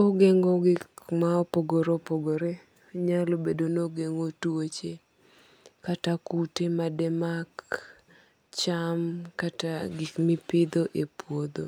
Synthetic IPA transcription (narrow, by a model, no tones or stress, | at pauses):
oɡeŋɔɡɪkmaopoɡoɾopoɡoɾe | ɲalobedonoɡeŋotwot͡ʃe | katakutemadɛmak | t͡ʃamkataɡɪkmipɪd̪oʔepwod̪o